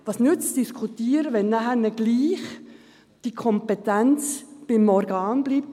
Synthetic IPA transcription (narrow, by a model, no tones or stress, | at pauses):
ʋɑːsnʉt͡sd̥iskʰutiːəɾəʋɛnːæχæɾnɛɡ̥liːχ | d̥ikʰɔmpɛt̪ænt͡sb̥ɪmɔɾɡ̥ɑːnb̥liːp̚t